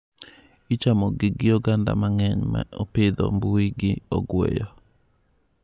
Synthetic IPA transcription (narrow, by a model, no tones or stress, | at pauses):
it͡ʃamɔɡɪɡɪjɔɡanda̰maŋɛɲma̰oped̪o̰mbuiɡɪɔ̰ɡwḛjɔ